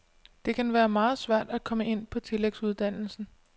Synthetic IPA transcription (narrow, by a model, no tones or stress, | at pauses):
d̥e̝kʰænʋæːɐmɑ̈ːð̞̩ˠsʋæɐ̰d̥ækʰɒ̽məe̝n̰pʰɒ̽t͡sʰe̝leɡ̥suð̞ˠd̥æn̰l̩sn̩